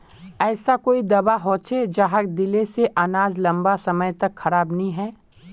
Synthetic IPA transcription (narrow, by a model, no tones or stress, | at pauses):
ɛːsakoːid̪ɐbaɦoːt͡ʃʰed͡ʒaːɦakd̪ɪleseʔanaːzlɐ̃mbasɐməjt̪ɐkxɐɾaːbnɐɦĩɦɛː